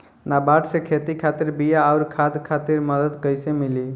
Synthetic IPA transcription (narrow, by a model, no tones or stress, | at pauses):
nabaʈʰsekʰet̪ikʰat̪iɾbijaːʊɾkʰad̪kʰat̪iɾməd̪əd̪kəjsemili